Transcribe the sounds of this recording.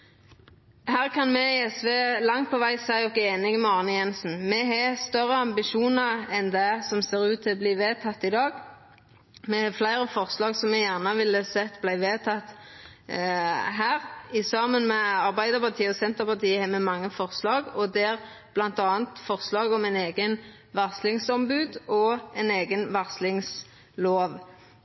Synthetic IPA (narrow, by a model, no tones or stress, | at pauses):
hæːʁkʰɑnmɛɛsʋeːlɑŋt̪̚pʰɔʋæɪsæɪɔkeːnɪɡəmɛɑːʁnəjɛnsn̩mɛɦɛst̪œʁəɑmbɪʃuːnəɾɛnd̪ɛsɔmseːɾʉːt̪ʰːɪlɔbliːʋeːt̪ʰɑt̪ːɪd̪ɑːɡ | mɛhɑflæɪʁəfɔʁslɑːɡsɔmːɛjæʁnəʋɪləsɛt̪ːblæɪʋeːt̪ʰɑt̪ | ɦæːʁɪsɑmːənmɛɑʁbæɪd̪əʁpɑʁt̪ʰiːəɔsɛnt̪əʁpɑʁt̪ʰiːəhɛmɛmɑŋːəfɔʁslɑːɡɔd̪ɛæɾ | b̥lɑnt̪ɑːnt̪fɔʁslɑːɡɔmæɪneːɡən | ʋɑʁslɪŋsɔmbʉːd̪ɔɛɪneːɡənʋɑʁslɪŋs | loːʋ